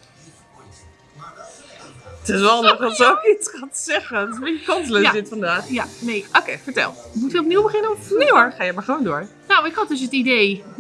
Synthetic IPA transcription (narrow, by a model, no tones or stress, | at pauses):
tɪsʋɛlˠɑndəxdɔtsokiskansɛɣənmaəkɔntələaɪtfɔndaːxjaneʔokeːfəɹtɛ̰lˠ | mutəɔp̚niwbəχɪnəɔɹχaːjəmaɹχəʋoːndoəɹ | nowɪkɔtɪs̬ətideː